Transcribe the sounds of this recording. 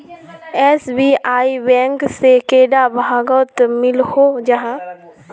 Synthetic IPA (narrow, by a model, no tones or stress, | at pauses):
ɛːsbiːaːibɛ̃ːŋksekeːɖabʱaːɡɔːt̪mɪlhod͡ʒɐɦãː